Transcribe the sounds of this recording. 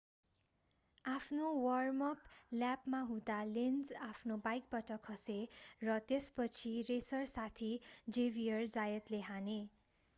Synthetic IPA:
apʰnowʌrmʌpljapmaɦũd̪alend͡zapʰnobajk̚pʌʈʌkʰɦʌserʌt̪espʌt͡sʰiresʌrsat̪ʰid͡zebijʌrd͡zajʌt̪leɦane

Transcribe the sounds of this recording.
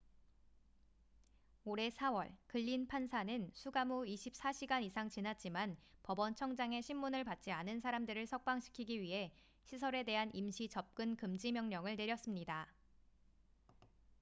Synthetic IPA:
oɾe̞sʰawʌɭkɯʎːinpʰansʰanɯnsʰuɡamuiɕʰip̚s͈aɕʰiɡanisʰaŋt͡ɕinat̚t͡ɕ͈imanpʌbʌnt͡ɕʰʌŋd͡ʑaŋe̞ɕʰimːunɯɭpat̚t͡ɕ͈ianɯnsʰaɾamdɯɾɯɭsʰʌk̚p͈aŋɕʰi̥kʰiɡiɥiɦe̞ | ɕʰis̬ʰʌɾe̞de̞ɦanʔimɕʰit͡ɕʌp̚k͈ɯnkɯmd͡ʑimjʌŋɲʌŋɯɭne̞ɾjʌs͈ɯmɲida

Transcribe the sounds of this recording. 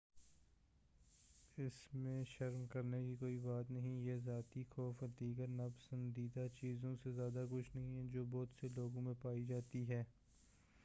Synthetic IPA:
ɪsmẽʃɐɾmkɐɾnekikoːibaːt̪nɐɦĩjezaːt̪ixɔːfd̪iːɡəɾnapə̥sə̃nd̪iːd̪at͡ʃiːzõsezjaːd̪akʊt͡ʃʰnɐɦĩɦɛd͡ʒoːbɔːt̪seloːɡõmẽpaːid͡ʒaːt̪iɦɛː

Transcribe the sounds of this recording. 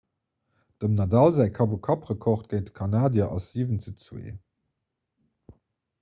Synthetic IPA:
d̥əmnɑdɑlzæːɪkʰɑbukʰɑpʁəkʰɔχt̚ɡ̥əɪntə̥kʰɑnaːdjɐʔɑsiːvənt͡sut͡swḛː

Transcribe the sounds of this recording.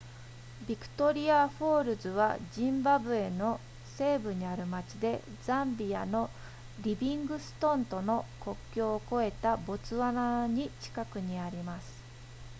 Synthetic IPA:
bʲikɯ̟̥t̪o̞ɾʲiaɸo̞ːɾɯ̟zɨβa̰ʑĩmbabɯ̟e̞no̞ | se̞ːbɯ̟ɲ̟iaɾɯ̟mat͡ɕid̪e̞ | zãmbʲiano̞ | ɾʲibʲĩŋɡɯ̟sɨ̥t̪õ̞nt̪o̞no̞ko̞kʲːjo̞ːko̞e̞t̪abo̞t͡sɨβanaɲ̟it͡ɕi̥kakɯ̟ɲ̟iaɾʲimasɨ̥

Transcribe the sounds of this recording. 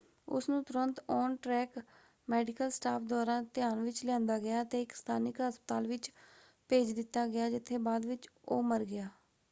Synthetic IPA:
ʊ̰snũːt̪ʊɾənt̪ɔːnʈɾɛːk | mɛːɖɪkəlsʈaːpʰd̪aːɾãːt̪ɪjaːnʋɪt͡ʃljãːnd̪aːɡɪjaːt̪eːɪkst̪ʰaːnɪkɦəspət̪aːlʋɪt͡ʃ | peːd͡ʒd̪ɪt̪ːaːɡɪjaːd͡ʒɪt̪ʰːeːbaːd̪ʋɪt͡ʃoːməɾɡɪjaː

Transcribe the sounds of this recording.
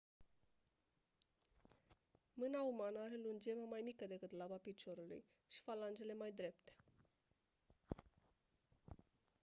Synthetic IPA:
mɨnaumanəaɾe̞lund͡ʒe̞məmajmikəd̪e̞kɨt̪labapit͡ʃo̞ɾulṵj | ʃi̥faland͡ʒe̞le̞majd̪ɾe̞pt̪e̥

